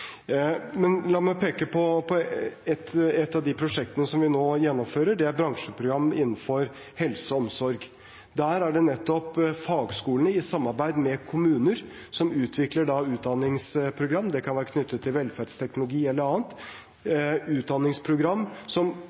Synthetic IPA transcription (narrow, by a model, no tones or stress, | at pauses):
mɛnlɑːɾmæɪpʰeːkəpʰɔpʰɔɛt̪ːɛt̪ːɑʋd̪ɪpʰɾʊʂɛk̚t̪ənəsɔmʋɪnoːjɛnːɔmføːɾəɖɛæɾbɾɑŋʂəpʰɾʊɡɾɑmːɪnːn̩fɔɾ | hɛlsəɔmsɔɾɡ | d̪æːɾæɖɛnɛt̪ːɔpfɑːɡskuːlənəɪsɑmːɑɾbæɪd̪mɛkʰʊmʉːnəɾ | sɔmʉːt̪ʰʋɪkləɖɑʉːt̪̚d̪ɑnːɪŋspʰɾʊɡɾɑmːd̪ɛkʰɑnʋæːɾəkʰnʏt̪ʰːət̪ʰːɪlʋɛlfæɖst̪ʰɛknʊlʊɡiːɛlːəɾɑːnt̪ | ʉːt̪̚d̪ɑnːɪŋspʰɾʊɡɾɑmːsɔm